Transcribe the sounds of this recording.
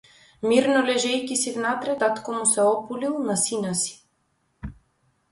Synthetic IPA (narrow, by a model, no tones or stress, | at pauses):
miɾnɔlɛʒɛjkisivnat̪ɾɛt̪at̪kɔmusɛɔpulilˠnasinasi̥